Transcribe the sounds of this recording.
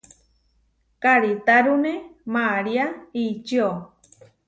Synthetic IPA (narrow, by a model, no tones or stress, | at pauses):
kaɾit̪aɾunẽmaɾiait͡ʃio